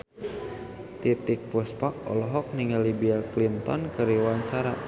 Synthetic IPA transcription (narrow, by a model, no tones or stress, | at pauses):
t̪it̪ik̚puspak̚ɔ̰lɔɦɔk̚niŋalibiaklint̪ɔnkɨɾiwaɲt͡ʃaɾa